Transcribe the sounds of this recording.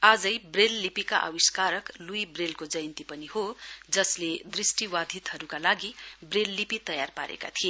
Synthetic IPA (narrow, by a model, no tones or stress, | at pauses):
ad͡zʌjbrelːipikaʔa̰wiskaɾʌklujbrelkod͡zʌjʌnt̪ipʌnihod͡zʌsled̪risʈiwad̪ʱit̪ɦʌɾukalaɡibrelːipit̪ʌjarpaɾʔḛka̰t̪ʰie